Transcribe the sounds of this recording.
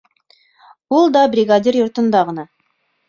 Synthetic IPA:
bʊlˠd̪ɑbrʲiɡad̪ʲirjoɾt̪ə̆nd̪ɑʁənɑ

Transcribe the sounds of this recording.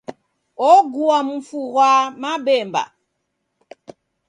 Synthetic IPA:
ɔɡuamufuɣwamabɛmba̰

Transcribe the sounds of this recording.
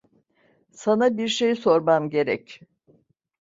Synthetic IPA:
sanabiɾʃejso̞ɾmamɟe̞ɾɛ̰c

